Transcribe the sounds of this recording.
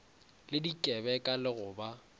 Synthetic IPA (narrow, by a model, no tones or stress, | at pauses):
lɪdikʼɛbɛkʼalɪɣʊba